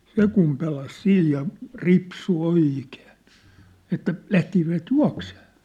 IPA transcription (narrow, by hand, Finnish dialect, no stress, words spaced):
se kum pelɑs siːj jɑ ripsu oiˑkeːn̞ etːæ læhtisiʋæt juɑ̝kseː